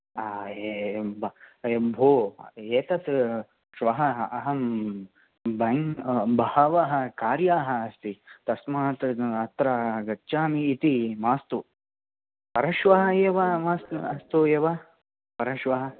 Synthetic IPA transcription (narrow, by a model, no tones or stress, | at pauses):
aːebɐebʱoːeːt̪ɐs | ʃʋɐɦɐɐɦɐm | bɐŋbɐhɐʋɐɦɐ̆kaːɾjaːɦɐ̆ːst̪it̪ɐsmaːt̪ɾɐɐt̪ɾaɡɐt͡ʃːʃaːmiːt̪imaːst̪u | pɐɾɐʃʋɐɦɐeːʋɐmaːst̪ɐst̪ueːʋɐ | pɐɾɐʃʋɐɦɐ̆